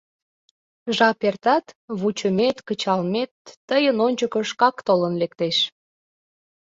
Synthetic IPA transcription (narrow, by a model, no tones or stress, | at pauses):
ʒɑpert̪ɑt̪βut͡ɕəmet̪kət͡ɕɑlmet̪ːəjənonʲt͡ɕəkəʃkɑkt̪olənlekt̪eʃ